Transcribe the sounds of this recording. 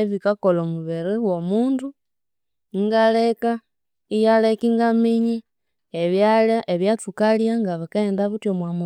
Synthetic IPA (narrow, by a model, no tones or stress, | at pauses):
βikakolomuβɛɾiwomuːndu | ŋɡalɛka | ijalɛkiŋɡamiɲi | eβjalaʔeβjatukaljaŋɡaβakaɛndaβutjomwamu